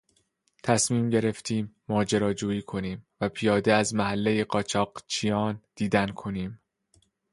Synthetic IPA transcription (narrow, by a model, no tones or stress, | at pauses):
t̪ʰæsmiːmɟe̞ɾe̞ft̪ʰiːmːɒːd͡ʒe̞ɾɒːd͡ʒuːiːkʰo̞niːmvæpʰijɒːd̪eæzmæɦælːejeɢɒːt͡ʃʰɒːɢ̥t͡ʃʰijɒːnd̪̥iːd̪ænkʰo̞niːm